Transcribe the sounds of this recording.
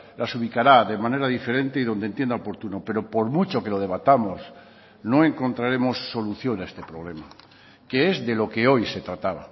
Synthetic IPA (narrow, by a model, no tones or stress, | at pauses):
lasuβikaɾaðe̞mãne̞ɾaðife̞ɾe̞nt̪e̞iðo̞nd̪ent̪je̞nd̪aopo̞ɾt̪unope̞ɾo̞po̞ɾmut͡ʃo̞ke̞lo̞ð̞e̞β̞at̪amos | no̞e̞ŋko̞nt̪ɾaɾe̞mo̞sːo̞luθjonaest̪e̞pɾoβ̞le̞ma | ke̞ezðe̞lo̞ke̞o̞jse̞t̪ɾat̪aβa̰